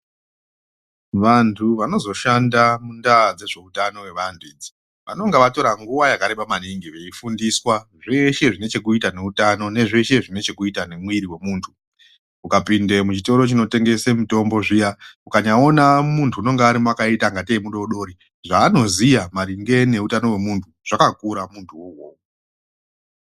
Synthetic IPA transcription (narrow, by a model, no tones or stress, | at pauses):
ʋantʰuʋano̞zo̞ʃandamundad͡ze̞ʐe̞utano̞we̞ʋantʰuiːd͡zi̥ | ʋano̞ŋɡeʋato̞ɾaŋɡuʋajakaɾeɓamaniŋɡiʋeifundiswaʐe̞ʃe̞ʐine̞t͡ʃe̞kuitane̞utano̞ne̞ʐe̞ʃe̞ʐine̞t͡ʃe̞kuitane̞mwiɾiwe̞muːntʰu | ukapindemut͡ʃito̞ɾot͡ʃino̞te̞ŋɡe̞semito̞mbo̞ʐijaukaɲao̞namuntʰuuno̞ŋɡeaɾimakaitaŋɡateimuɗo̞ɗo̞ɾi | ʐaːno̞zijamaɾiŋɡe̞ne̞utano̞we̞muntʰuʐ̥akakuɾamuntʰuwowoːwo